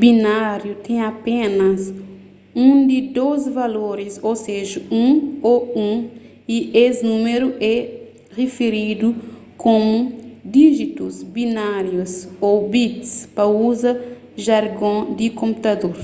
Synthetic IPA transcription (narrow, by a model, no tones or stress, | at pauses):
binaɾjut̪ɛ̃j̃apẽnɐs | ũd̪id̪ozvaloɾisoseʒɐũoũ | iʔesnũmeɾuʔɛ | ʁefeɾid̪u | kõmud̪iʒit̪uzbinaɾjusobit̪spɐuzɐ | ʒaɾɡõd̪ikõmput̪ad̪oɾ